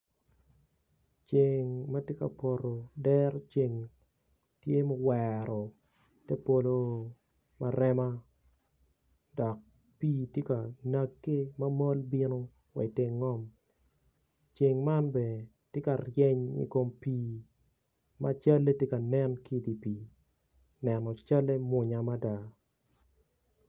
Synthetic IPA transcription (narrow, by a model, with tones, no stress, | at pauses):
t͡ʃe˨ŋma˦tje˦ka̰˨po˨ɾo˨dɛ˦ɾt͡ʃe˨ŋ | tje˦mɔ˨wɛɾɔ˨ | te˦po˨lo˦ | ma˨ɾɛ˦ma˦ | dɔ˨k̚ | piː˦tje˦ka˨na˦kːe˦ma˦mɔ˦lbi˦no˦ | wḛ˨te˦ŋːɔ˦m | t͡ʃe˨ŋma˦nbe˨ | tje˦ka˨rjɛ˦ɲḭ˦ko˨mpiː˦ | ma˦t͡ʃa˦lːe˦tje˦ka˨nɛ˦nki˦di˨pi˨ | nɛ˨nɔ˨t͡ʃa˦le˦mwʊ˨ɲa˨ma˦da˦